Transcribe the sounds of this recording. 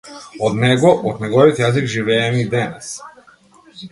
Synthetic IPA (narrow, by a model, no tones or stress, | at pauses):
ɔd̪nɛɡɔʔɔd̪nɛɡɔvit̪jazikʒivɛɛmiːd̪ɛnɛs